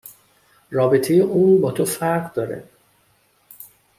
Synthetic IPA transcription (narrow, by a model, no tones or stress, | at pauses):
rɒːbet̪ʰejeʔuːnbɒːt̪ʰofæɾʁd̪ɒːɾḛ